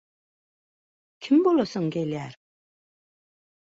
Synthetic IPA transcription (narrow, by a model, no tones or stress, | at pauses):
kʰimbolosəŋɡelæɾ